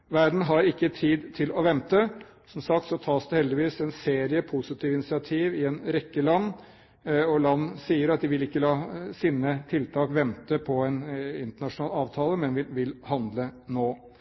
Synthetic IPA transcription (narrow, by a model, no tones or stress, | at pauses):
ʋæɾd̪n̩ɦɑɾɪkːət̪ʰiːd̪t̪ʰɪlɔʋɛmt̪ə | sɔmsɑk̚t̪sɔt̪ʰɑːsd̪ɛhɛld̪ɪʋiːsɛnseːɾɪəpʰʊsɪt̪ʰiːʋɪnɪsɪɑt̪ʰiːʋɪɛnɾɛkːəlɑnː | ɔlɑnːsiːəɾɑt̪̚d̪ɪʋɪlɪkːəlɑːsɪnːət̪ʰɪlt̪ʰɑːkʋɛmt̪əpʰɔɛnɪnt̪əɳɑʂʊnɑːlɑːʋt̪ʰɑːləmɛnʋɪʋɪlhɑnd̪lənoː